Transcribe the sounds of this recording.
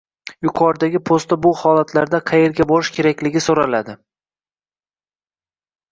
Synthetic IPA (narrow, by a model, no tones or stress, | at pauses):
jʊqʰɒɾd̪aɡʲɪpʰost̪abʊhɒlat̪ʰlaɾd̪aqʰɑje̞ɾɡʲabɒɾɪʃkʲʰe̞ɾakʲlɪɡʲɪsoɾalad̪ɪ